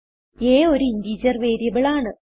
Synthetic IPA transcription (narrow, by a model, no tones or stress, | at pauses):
eːoɾuind̪iːd͡ʑɐrʋe̞ːɾjɐbiɭaːɳɨ